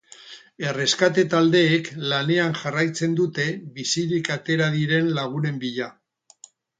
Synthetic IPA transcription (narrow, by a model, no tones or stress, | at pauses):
e̞re̞skat̪et̪ald̪e̞ːklane̞anʝarajt͡se̞nd̪ut̪e̞βisiɾikat̪e̞ɾaðiɾe̞nlaɣ̞une̞mbiʎa